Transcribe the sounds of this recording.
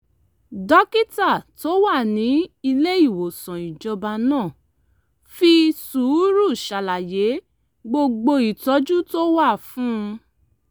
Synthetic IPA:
dɔ˦ki˦ta˦˨to˦wa˦˨nĩ˨˦i˧le˦i˦˨wo˨sã˨i˨d͡ʒɔ˧ba˧nãː˦˨ | fi˧suː˨˦ɾu˦˨ʃa˨la˨je˨˦ | ɡ͡bo˧ɡ͡bo˧i˨tɔ˨˦d͡ʒu˦to˦wa˦˨fũ˦˧

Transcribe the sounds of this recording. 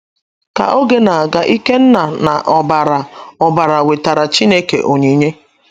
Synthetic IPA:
ka̰˨ʔo˦ɡe˦na˨ɡa˨ʔi˦ke˦n̩˦na˨na˨ʔɔ˨ba˨ɾa˨ɔ˨ba˨ɾa˨we˨ta˨ɾa˨t͡ʃi˦ne˦kḛ˨ʔo˨ɲe˨ɲe˦

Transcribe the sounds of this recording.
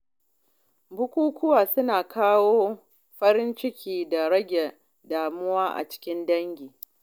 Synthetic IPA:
bʊ˦kʷuː˦kʷʊ˦waː˨sʊ˦naː˨kʰaː˦woː˦ | ɸɐ˦ɾɪ˦nt͡ʃɪ˦kʲiː˨da˨ɽɐ˦ɡʲɛ˨ | daː˨mʊ˦waː˦ʔa̰˨t͡ʃɪ̥˦kʲɪ˦ndɐ˦ŋɡʲiː˨

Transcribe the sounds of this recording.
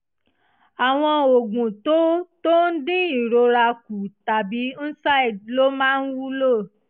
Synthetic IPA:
a˨w̃ɔ̃˧o˨ɡũ˨to˨˦to˦n̩˦dĩ˦i˨ɾo˧ɾa˧ku˨ta˨bi˨˦n̩˦sa˦i˨lo˦mãː˦n̩˦wu˦lo˦˨

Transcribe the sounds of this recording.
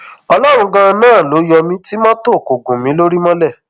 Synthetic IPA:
ɔ˧lɔ˦ɾ̃ũ˧ɡã˧nãː˦˨lo˨˦jɔ˧mĩ˧˦ti˦mã˦to˦˨ko˨ɡũ˨mĩ˨˦lo˦ɾi˦mɔ̃˦lɛ˦˨

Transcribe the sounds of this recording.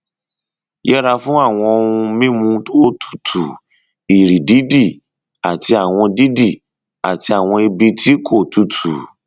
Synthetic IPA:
jɛ˦ɾa˧fũ˦a˦˨w̃ɔ̃˧ũ˧mĩ˦mũ˧to˦tʰu̥˦˨tʰu˨ | i˨ɾi˨di˨˦di˦˨ | a˨ti˧a˨w̃ɔ̃˧di˦di˦˨ | a˨ti˧a˨w̃ɔ̃˧e˧bi˧tʰi˦kʰo˦˨tu˨tʰu˨

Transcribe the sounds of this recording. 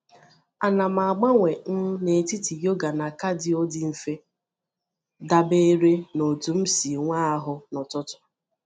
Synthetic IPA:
a˨na˨ma˨a˨ɡ͡ba˦ŋʷe˨n̩˦ne˨ti˦ti˨jo˦ɡa˨na˨ka˦dɪ˦o˦dɪ˦m̩˨fe˦ | da˦be˦ɾe˦no˨tu˨m̩˦si˨ŋʷaː˦a˦ɦʊ˨nɔ˨tʊ˦tʊ̥˨

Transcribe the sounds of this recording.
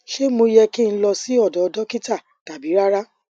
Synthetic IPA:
ʃe˦mo˧jɛ˧ki˦˧ñ̩˦lɔ˧si˦ɔ˦˨dɔ˨˧dɔ˦ki˦ta˦˨ | ta˨bi˨˦ɾa˦ɾa˦

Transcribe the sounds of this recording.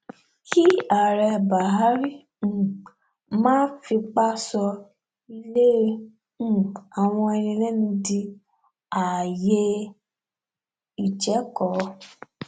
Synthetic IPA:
ki˦a˨ɾɛ˧ba˨ɦa˦ɾi˦˨ | ũ˨ | mãː˦fi˧k͡pa˦sɔ˧ | i˧le˦ | ũ˦˨a˨w̃ɔ̃˧ɛ˧ɾ̃ĩ˧lɛ˦nĩ˧di˧ | a˨je˧˦ | i˨t͡ʃɛ˨˦kɔ˨˦

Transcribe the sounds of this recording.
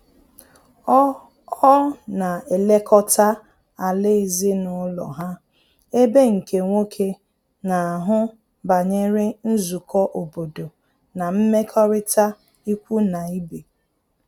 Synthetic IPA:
ɔ˦na˨e˨le˦kʰɔ˦ta˦ | a˨lɪ˦e˨zi˦nʊ˦lɔ̰˨ɦa˦ | e˦be˦ŋ̩˨ke˨ŋʷo˦kʰe˦ | na˨a˨ɦʊ˦ | ba˨ɲe˦ɾɪ˦n̩˦zu˨kʰɔ˦ʔo˨bo˨do˨ | na˨m̩˦me˦kʰɔ˦ɾɪ˦ta˦ | i˦kʷu˦na˨i˦be˨

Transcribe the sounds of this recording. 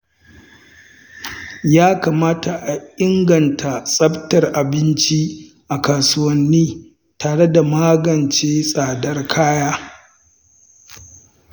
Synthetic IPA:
jaː˦kaː˨maː˦ta˨ʔa˨ʔɪ˦ŋɡɐ˨ntʰa˨sʼɐ˦btɐ˨rʔa˨bɪ˦nt͡ʃi˦ | ʔa˨kaː˨sʊ˦wɐ˦nːiː˦ | taː˨ɽe˦da˨maː˦ɡɐ˨nt͡ʃeː˦sʼaː˨dɐ˦rkʰaː˦jaː˦

